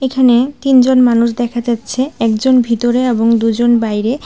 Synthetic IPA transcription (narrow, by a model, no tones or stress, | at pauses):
ekʰanet̪ind͡ʑonmanuʃ̬d̪ɛkʰad͡ʑatːɕʰeɛk̚d͡ʑonbʱit̪oɾeeboŋd̪ud͡ʑonbajɾe